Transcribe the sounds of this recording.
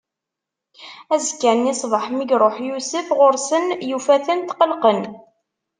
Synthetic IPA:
æzkːænisˤvəħmiɡɾˤoħjusəfʁʊɾsənjufæθənt̪qəlqən

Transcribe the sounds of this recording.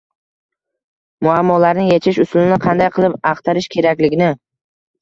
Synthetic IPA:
mʊamːɒlaɾnɪŋjet͡ʃʰɪʃʊslɪnɪqʰɑnd̪ajqʰɨlˠɪpɑqt̪ʰaɾɪʃkʲʰe̞ɾakʲlɪɡʲɪnɪ

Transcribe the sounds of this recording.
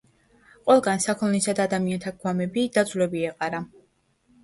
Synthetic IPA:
qʼwɛlˠɡansakʰɔnisad̪aːd̪amiant̪ʰaɡwamɛbid̪̥at̪zʼvlɛbiɛqʼaɾa

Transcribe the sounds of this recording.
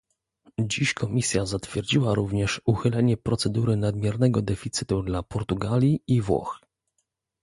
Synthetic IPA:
d͡ʑiɕkʰɔmʲisʲjazat̪fʲjɛɾd͡ʑiwaɾuvɲɛʂuxɘlɛɲɛpɾɔt̪sɛd̪uɾɘnad̪mʲjɛɾnɛɡɔd̪ɛfʲit̪sɘt̪ud̪lapɔɾt̪uɡalʲjiivwɔ̰x

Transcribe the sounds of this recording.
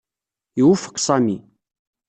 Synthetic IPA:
iwufə̥qsˤɑmi

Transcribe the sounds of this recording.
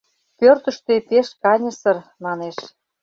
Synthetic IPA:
pørt̪ə̆ʃt̪et̪eʃkɑnʲə̆sə̆rmɑneʃ

